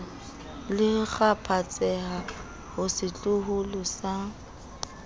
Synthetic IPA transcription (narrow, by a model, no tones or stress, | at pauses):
lɪɣapʰat͡sʼɛɦa | hʊsɪt͡ɬʼʊɦʊlɔsa